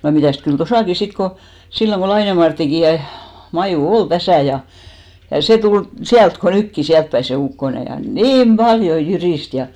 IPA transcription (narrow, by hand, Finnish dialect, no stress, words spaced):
jɑ mitæˑst kyl tosɑˑki sit ko silːoŋ ɡ̊o lɑine mɑrtːiki jɑ mɑjuˑ ol tæsæˑ jɑ jɑ seˑ tul siælt ko nykːi siæltpæi se ukːone jɑ niːm b̥ɑljo jyriˑst jɑ